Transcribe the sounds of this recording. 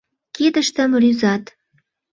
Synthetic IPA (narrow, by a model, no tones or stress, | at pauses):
ked̪ə̆ʃt̪ə̆mryzɑt̪